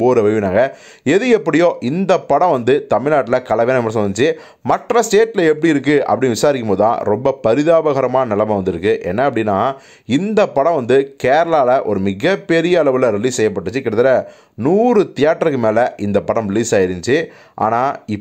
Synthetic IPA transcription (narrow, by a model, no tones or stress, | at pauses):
poːɾɐʋɐʋɯnaːŋɡɐ | ɛðɯɛpːɐɽɪjõːʔɪnd̪ɐpːɐɽɐ̃ʋɐnd̪ɯt̪ɐmɪɭnaːʈːɪlɐkɐlɐʋeːnɐmɐsɔnt͡ʃːɯ | mɐʈrɐsʈeːʈːɪlɐɛpːɐɽiɪɾɯkːɯɐ̰pːɐɽɪnːʋɪsaːɾɪkːɯmpoːðɯt̪ã̰ːɾɔmbɐpɐɾɪðaːbɐɣɐɾɐmaːnɐnɪlɐmɐʋɐnd̪ɯɾɯkːɯʔɛ̰nːɐɐpːɐɽɪnːaː | ɪnd̪ɐpːɐɽɐ̃ʋɐnd̪ɯkeːɾɐlaːlɐʔɔɾɯmɪɣɐpːɛɾɪjɐːlɐʋɯlɐɾɪliːssɛjːɐp̬ːɐʈːɯt͡ʃːɯkːɪɽɐt̪ːɪlɐ | nuːɾɯt̪ɪjaːʈːɐɾɯkːɯmeːlɐʔɪnd̪ɐpːɐɽɐ̃mɾɪliːsaːjɪɾɪɲt͡ʃɯ | ʔa̰ːnaːɪ